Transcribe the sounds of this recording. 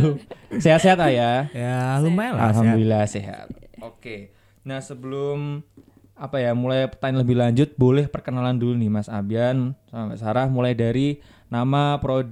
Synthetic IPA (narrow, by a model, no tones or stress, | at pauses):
seɦat̪seɦat̪lajaalumala̰lɦamdulilaseɦa̰t̪̚oke | nahsəbəlʊm | apajamulajpərt̪aɲləbɪhlaɲd͡ʒʊt̪̚bolɛhpərkənalandulunimasabiansamaʔsaɾahmulajdaɾi | namapɾo